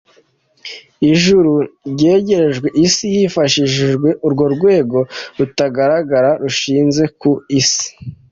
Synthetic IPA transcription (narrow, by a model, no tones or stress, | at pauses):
iʒuɾuɟe̞ːɟe̞ɾe̞ʒɡwe̞ʔisijifaʃiʒiʒɡwe̞ʔuɾɡo̞ɾɡwe̞ːɡo̞ɾutaɡaɾaɡaɾaɾuʃiːnze̞kuisi̥